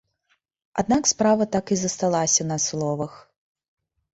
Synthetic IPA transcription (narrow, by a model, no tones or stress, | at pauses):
ad̪̚nakspɾavɐt̪akizɐst̪alˠasʲɐnɐslˠɔvɐx